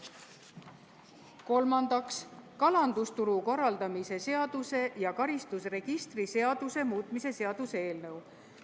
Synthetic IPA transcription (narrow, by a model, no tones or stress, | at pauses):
ko̞lmɑnd̪̥ɑkskɑlɑnd̪̥ust̪uɾuko̞rːɑld̪̥ɑmise̞se̞ɑd̪̥use̞jɑkɑɾist̪usre̞ɡ̥ist̪rise̞ɑd̪̥use̞muːt̪ˑmise̞se̞ɑd̪̥usee̞ːlnɤw